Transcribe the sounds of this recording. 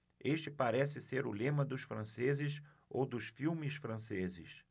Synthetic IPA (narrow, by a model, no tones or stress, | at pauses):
eʃt͡ʃɪpaɾɛsɪseɾʊlẽmɐd̪ʊʃfɾɐ̃sezɪs | o̰wd̪ʊsfiwmɪsfɾɐ̃sezɪ̰s